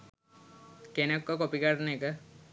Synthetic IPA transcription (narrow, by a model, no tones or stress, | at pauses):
kenekːɔkopikaʈnekə